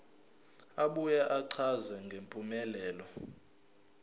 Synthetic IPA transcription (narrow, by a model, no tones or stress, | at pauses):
aɓujaʔaǀʰazɛŋɡʱempʼumɛlɛːlɔ